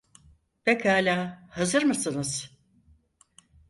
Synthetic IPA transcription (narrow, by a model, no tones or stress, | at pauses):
b̥ekʰaːlʲaːhazɯɾmɯsɯnɯz̥